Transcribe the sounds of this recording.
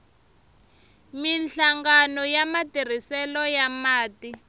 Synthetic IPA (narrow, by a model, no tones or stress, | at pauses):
minɬaŋɡanɔjamatir̤isɛlɔjamaːti